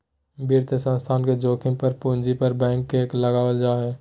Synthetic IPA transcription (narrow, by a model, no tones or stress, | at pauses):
bʱiːɾt̪əsə̃nst̪ʰaːnked͡ʒoːkʰɪ̃pəɾpũːnd͡ʒipəɾbɛ̃ːŋkːekləɡaːʋəld͡ʒaːɦɛ̃ː